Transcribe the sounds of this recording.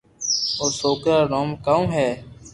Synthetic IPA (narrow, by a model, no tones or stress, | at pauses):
oːsoːkɾaːɾoːmkaũːɦɛː